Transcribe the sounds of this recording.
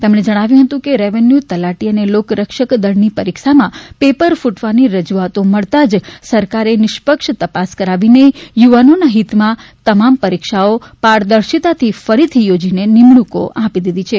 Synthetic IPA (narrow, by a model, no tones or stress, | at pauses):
t̪emɽ̃ed͡ʒəɽ̃aʋjũɦət̪ũkeɾeʋenjut̪əlaʈiənelokɾəkʃəkd̪əɽnipəɾikʃamãpepəɾfuʈʋaniɾəd͡ʒuat̪oməɭt̪ad͡ʒsəɾkaɾenɪʃpəkʃt̪əpaskəɾaʋinejuʋanonaɦit̪mãt̪əmampəɾikʃaopaɾd̪əɾʃit̪at̪ʰifəɾit̪ʰijod͡ʒinenɪmɭuko̰ʔapid̪id̪it͡ʃʰe